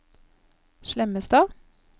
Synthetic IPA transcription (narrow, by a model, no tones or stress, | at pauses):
ʃlɛməst̪ɑː